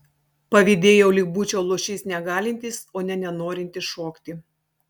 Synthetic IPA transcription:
pɐʋʲiːd̪ʲeːjɛʊlʲɪk̚buːt͡ʃʲoːlˠoːʃʲɛɪsnʲɛɡɑːlʲɪnʲt̪ʲɪsoːnʲɛnʲɛnoːɾʲɪnʲt̪ʲɪsʃoːkt̪ʲɪ

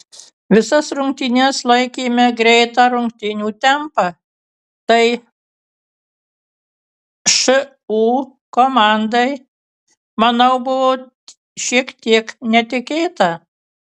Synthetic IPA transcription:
ʋʲɪsɐsɾʊŋkt̪ʲɪnʲɛslˠɐɪkʲiːmʲɛɡɾʲɛɪt̪ɑːɾʊŋkt̪ʲɪnʲuːt̪ʲɛmpɑ | t̪ɐɪ | ʃɨ | uː | koːmɑnd̪ɐɪ | mɐnɐʊbʊʋoː | ʃʲiɛkt̪ʲiɛknʲɛt̪ʲɪkʲeːt̪ɐ

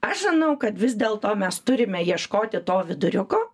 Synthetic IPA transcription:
ɐʃʒɪnɐʊkɐt̪ʋʲɪzd̪ʲeːlˠt̪oːmʲɛst̪ʊɾʲɪmʲɛjiɛʃkoːt̪ʲɪt̪oːʋʲɪd̪ʊɾʲʊkoː

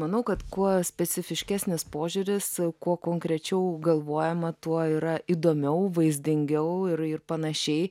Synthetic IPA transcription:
mɐnɐʊkɐt̪kuɔsʲpʲɛt͡s̪ʲɪfʲɪʃʲkʲæːsʲnʲɪspoːʒʲʊɾʲɪskuɔkoːŋkɾʲɛt͡ʃʲɛʊɡɐlˠʋoːjɛmɐt̪uɔiɾɐʔiːd̪oːmʲɛʊʋɐɪzʲd̪ʲɪŋʲɡʲɛʊɪɾɪrpɐnɐʃʲɛɪ

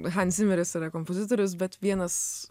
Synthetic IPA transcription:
ɦɐnʲsʲɪmʲɛɾʲɪsiːɾɐkompozʲɪt̪oːɾʲʊs̬bʲɛt̪ʋʲiɛnɐs

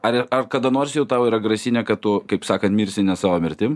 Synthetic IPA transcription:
ɐɾɪɐrkɐd̪ɐnoːrʲsʲjɛʊt̪ɑʊiːɾɐɡɾɐsʲɪnʲɛkɐt̪̚t̪ʊkɐɪpsɑːkɐnt̪mʲiːɾʲsʲɪnʲɛsɑːʋoːmʲɪɾʲt̪ʲɪm

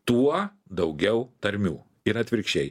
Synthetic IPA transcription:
t̪uɔ | d̪ɐʊɡʲɛʊt̪ɐɾʲmʲṵː | ɪɾɐt̪ʲʋʲɪɾʲkʃʲɛɪ

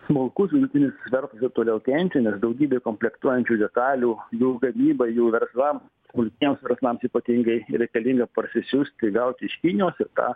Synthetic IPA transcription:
mʊlˠkʊsʋʲɪd̪ʊt̪ʲɪnʲɪsʋʲɛɾslˠɐsɪp̚t̪oːlʲɛʊkʲɛnʲt͡ʃʲɛnʲɛsd̪ɐʊɡʲiːbʲeːkoːmʲpʲlʲɛkt̪uɔjɛnʲt͡ʃʲuːd̪ʲɛt̪ɑːlʲuːjuːɡɐmʲiːbɐjuːʋʲɛrslˠɐm | smʊlʲk̪ʲiɛmsʋʲɛɾslˠɐmsiːpɐt̪ʲiŋɡɐɪɾʲɛɪkɐlʲiŋɡɐpɐɾʲsʲɪsʲʊsʲt̪ʲɪɡɐʊt̪ʲɪʃʲkʲinʲoːsɪɾt̪ɑ̰ː

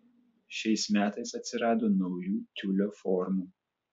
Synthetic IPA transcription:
ʃʲɛɪsmʲæːt̪ɐɪsɐt̪ʲsʲɪɾɑːd̪oːnɒʊjuːt̪ʲʊlʲoːfɔɾmuː

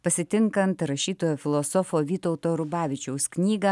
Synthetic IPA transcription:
pɐsʲɪt̪ʲɪŋkɐnt̪ɾɐʃʲiːt̪oːjoːfʲɪlˠosɔfoːʋʲiːt̪ɔʊt̪oːɾʊbɑːʋʲɪt͡ʃʲɛʊsknʲiːɡɐ

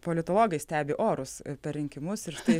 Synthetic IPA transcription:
poːlʲɪt̪oːlˠoːɡʲɛɪsʲt̪ʲæːbʲɪʔoːɾʊspʲɛrʲɾʲɪŋʲkʲɪmʊsɪɾʃt̪ɐɪ

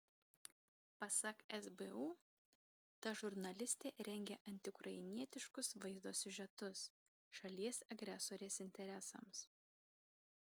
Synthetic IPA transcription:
pɐsɐkɛzbeuː | t̪ɐʒʊɾnɐlʲɪsʲt̪ʲeːɾʲɛŋʲɡʲɛʔɐnʲt̪ʲɪʊkɾʔɐɪnʲiɛt̪ʲɪʃkʊsʋɐɪzd̪oːsʲʊʒʲɛt̪ʊs | ʃɐlʲiɛsɐɡɾʲɛsoːɾʲeːsɪnʲt̪ʲɛɾʲɛsɐ̰ms

